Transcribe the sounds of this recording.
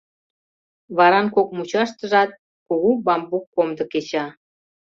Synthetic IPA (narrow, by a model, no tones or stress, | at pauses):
βɑɾɑnkokmut͡ɕɑʃt̪əʒɑt̪̚ | kuɣubɑmbukːomd̪ə̆ket͡ɕɑ